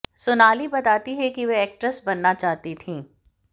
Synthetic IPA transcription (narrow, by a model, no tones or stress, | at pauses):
sʊnaːlibɐt̪aːt̪iɦɛkiʋɛɛːk̚ʈɾəsbɐnːat͡ʃaːɦt̪it̪ʰĩː